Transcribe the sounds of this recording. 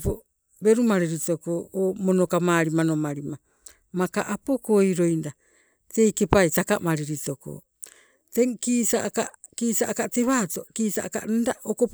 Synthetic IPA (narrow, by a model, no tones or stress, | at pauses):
po | be̞ɾumaɾiɾitokooːmonokamaːɾimano̞maɾima | maka̰ʔapokojɾo̞jnda | te̞jke̞pajtakamaɾiɾito̞ko̰ | teŋkiːsaʔkakiːsaʔkate̞βaːto̞kiːsa̰ʔka̰ndaʔokop